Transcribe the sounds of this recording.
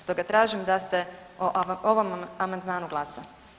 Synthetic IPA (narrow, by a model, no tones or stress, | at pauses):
st̪oɡat̪ɾaːʒimd̪ase̞ | oʔoʋo̞mamand̪mãːnuɡlˠasa